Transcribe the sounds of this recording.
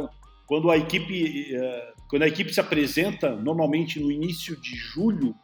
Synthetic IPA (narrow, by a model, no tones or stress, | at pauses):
kwɐ̃nd̪ʊɐekipɪɛkwɐ̃nd̪ʊɐekipɪsɪapɾezẽnt̪ɐnoɾmawmẽnt͡ʃɪnʊinisjʊd͡ʒɪʒuʎʊ